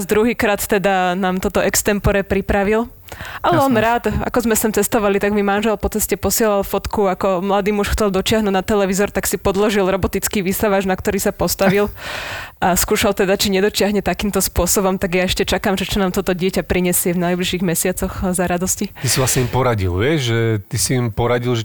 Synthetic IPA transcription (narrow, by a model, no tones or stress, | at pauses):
zd̪ɾuɦiːkɾaːt̪ːɛd̪anaːmt̪ɔt̪ɔʔɛkst̪ɛmpɔɾɛpɾipɾaʋil | ʔalɛɔnɾaːd̪a̰kɔzmɛst̪imt͡sɛst̪ɔʋalit̪aɡmimanʒɛlpɔt͡sɛscɛpɔsɪɛlalfɔt̪kuakɔmlad̪iːmuʃxt͡sɛlˠd̪ɔt͡ʃɪaɦnudnat̪ɛlɛʋizɔɾt̪aksipɔd̪lɔʒilɾɔbɔt̪it͡skiʋiːsaʋad͡ʒnak̚t̪ɔɾiːsapɔst̪aʋil | ʔaskuːʃalˠt̪ɛd̪at͡ʃiɲɛd̪ɔt͡ʃɪaɦɲɛt̪akiːmt̪ɔspʊɔsɔbɔmt̪aɡjaɛʃcɛt͡ʃakaːmʒɛt͡ʃɔnaːmt̪ɔt̪ɔɟɪɛcapɾiɲɛsɪɛvnajbliʃiːɣmɛsɪat͡sɔxzaɾad̪ɔscit̪isilasɲɛimpɔɾaɟḭlʋɪɛʒʒɛt̪isiːmpɔɾaɟilʒɛ